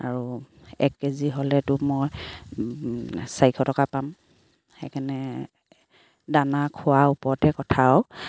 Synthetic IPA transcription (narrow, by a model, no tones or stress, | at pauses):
a̰ɹuɛ̰kːeziɦolɛtʊmɔj | sajkʰɔtɔkapam | hɛkʰɛnɛ | danakʰʊwaupɔɹtɛkɔtʰaɔ